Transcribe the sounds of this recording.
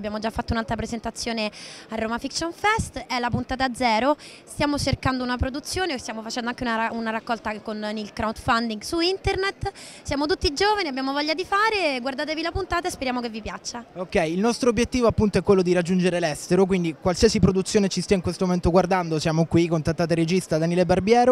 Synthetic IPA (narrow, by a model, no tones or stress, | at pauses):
bːjaːmod͡ʒafːat̪ːounalt̪ɾapɾezent̪at̪sːjoːnearːoːmafiksonfɛst̪ɛlapunt̪aːt̪aːd̪zːɛːɾo | st̪jaːmot͡ʃerkand̪ounapɾod̪ut̪sːjoːnest̪jaːmofat͡ʃɛnd̪oaŋkeunaunaɾakːɔlt̪akonilkɾawd̪fand̪iŋɡsuint̪ernet̪ːsjaːmot̪̬ut̪ːid͡ʒoːvaniabːjaːmovɔʎːad̪ifaːɾeɡward̪aːt̪evilapunt̪aːt̪aespeɾjaːmokevːipjat͡ʃːaokːɛjːlnɔst̪ɾobːjet̪ːiːvoapːunt̪oɛkwelːod̪iɾad͡ʒːund͡ʒeɾelɛst̪eɾok̬wind̪ikwalsiasipɾod̪ut̪sːjoːnet͡ʃist̪aiŋkwest̪omoment̪oɡward̪and̪osjaːmokwikont̪at̪ːaːt̪̬eɾed͡ʒist̪ad̪aniːlebarbjɛːɾo